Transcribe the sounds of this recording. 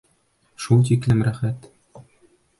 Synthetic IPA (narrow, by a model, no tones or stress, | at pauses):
ʃulˠt̪iklɘ̆mræχæt̪